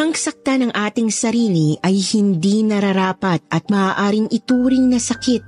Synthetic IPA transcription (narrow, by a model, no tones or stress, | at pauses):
ʔɐŋsɐk̚t̪anɐŋʔaːt̪ɪŋsɐɾiːliʔɐjhɪnd̪inɐɾɐɾaːpɐt̪̚ʔɐt̪̚mɐʔaːʔaːɾɪŋʔɪt̪uːɾɪŋnɐsɐkɪt̪̚